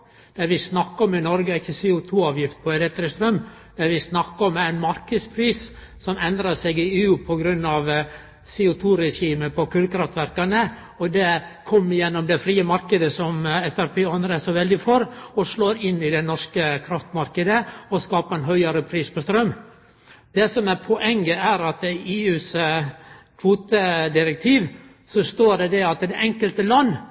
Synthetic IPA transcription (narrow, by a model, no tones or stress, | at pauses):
d̪̥æɾʋɪsnɑkːɔmɪnɔɾɡəɪçːəseːʊt̪ʰuːɑːʋjɪft̪̚pʰɔɛɾɛt̪ɾɪst̪ɾœmː | d̪æɾʋɪsnɑkːɔmæɪnmɑɾkəd̪spʰɾiːs | sɔmɛnd̪ɾɑsɛɡɪeːʉːpʰɔɡɾʉnːɑʋ | seːʊt̪ʰuːɾɛʂiːməpʰɔkʰʉlkɾɑft̪ʋæɾkɑnə | ɔd̪ɛkʰɔmːjɛnːɔmd̪ɛfɾiːəmɑɾkəd̪əsɔmɛfæɾpʰeːɑnd̪ɾəɛsɔʋɛld̪ɪfɔɾɔʂloːɾɪnːɪd̪ɛnɔʂkəkʰɾɑft̪mɑɾkəd̪əɔskɑːpəɛnɦœʏɑɾəpʰɾiːspʰɔst̪ɾœmː | d̪ɛsɔmæɾpʰɔʔɛŋːəæɾɑt̪iʔeːʉːs | kʰʋuːt̪əd̪ɪɾɛk̚t̪ʰiːʋ | sɔʂt̪oːɖɛd̪ɛɑt̪d̪ɛʔɛŋkəlt̪əlɑnː